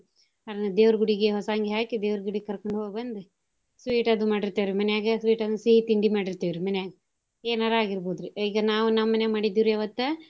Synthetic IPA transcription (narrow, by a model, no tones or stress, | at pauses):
ɐɾɐnɐd̪eːʋɾɐɡuɽiɡeɦɔsaːŋɡeɦaːkid̪eːʋɾɐɡuɽikɐɾkoɳɖɦoːɡɐbɐnd̪u | sʋiːʈɐd̪umaːɽiɾt̪ːeːʋiɾimɐnɛjaːɡɐsʋiːʈɐd̪siɦit̪iɳɖimaːɽiɾt̪ːeːʋiɾimɐnjaːɡɐ | eːnaːɾaːɡiɾboːd̪ɾiiːɡɐnaːʋunɐmːɐneːmaːɽid̪ːiːɾɐʋɐt̪ːu